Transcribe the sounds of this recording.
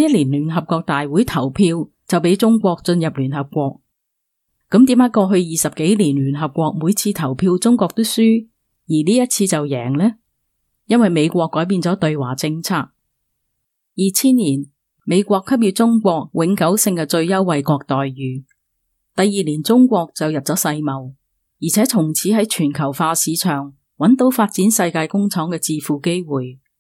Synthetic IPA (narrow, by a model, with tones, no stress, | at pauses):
jɐ˥liː˨˩nlyː˨˩nɦɐ˨p̚kʷɔː˧k̚t̪aː˨jwuː˨˥jt̪ʰɐ˨˩wpʰiː˧w | t͡sɐ˨wp̬e˨˥jt͡sʊ˥ŋkʷɔː˧k̚t͡sɵ˧njɐ˨p̚lyː˨˩nɦɐ˨p̚kʷɔː˧k̚ | kːɐ˨˥mt̪i˨˥maː˨˥kɔː˧ɦɵ˧ɥjiː˨˩sɐ˨p̚ke˨˥jliː˨˩nlyː˨˩nɦɐ˨p̚kʷɔː˧k̚muː˨˧jt͡sʰiː˧t̪ʰɐ˨˩wpʰiː˧wt͡sʊ˥ŋkʷɔː˧k̚t̪wsyː˥ | jiː˨˩liː˥jɐ˥t̚t͡sʰiː˧t͡sɐ˨wjɛː˨˩ŋlɛː˥ | jɐ˥nwɐ˨jme˨˧jkʷɔː˧kːɔː˨˥jp̬iː˧nt͡sɔː˨˥t̪ɵ˧ɥwaː˨˩t͡sɪ˧ŋt͡sʰaː˧˥k̚ | jiː˨t͡sʰiː˥nliː˨˩n | me˨˧jkʷɔː˧kʰːɐ˥p̚jiː˨˧˩t͡sʊ˥ŋkʷɔː˧k̚wɪ˨˥ŋkɐ˨˥wsɪ˧ŋkɛ˧t͡ʃɵ˧ɥjɐ˥wːɐ˨˧jkɔː˧k̚t̪ɔː˨jːyː˨˧ | t̪ɐ˨jːiː˨liː˨˩nt͡sʊ˥ŋkʷɔː˧k̚t͡sɐ˨wjɐ˨p̚t͡sɔː˨˥sɐ˧jmɐ˨w | jiː˨˩t͡sʰɛː˨˥t̪ʰʊ˨˩ŋt͡sʰiː˨˥ɦɐ˨˥jt͡ʃʰyː˨˩nkʰɐ˨˩wfaː˧siː˨˧t͡ʃʰœː˨˩ŋ | wɐ˨˥nt̪o˨˥wfaː˧t̚t͡si˨˥nsɐ˧jkaː˧jkʊ˥ŋt͡sʰɔː˨˥ŋkɛː˧t͡siː˧fuː˨ke˥jwuː˨j